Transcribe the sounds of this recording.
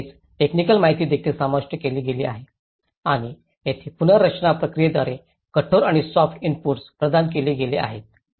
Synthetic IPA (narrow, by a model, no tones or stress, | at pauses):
et͡s | ʈeknikəlmaɦit̪iːd̪ekʰilsamaʂʈjəkeliːɡelia̰ɦe | aɽ̃i | jet̪ʰeːpunəɾət͡ɕɳapɾəkɾijed̪ʋaɾe | kəʈʰoɾaɽ̃isɔfʈinpuɾspɾəd̪ank̬eliːɡelea̰ɦet̪̚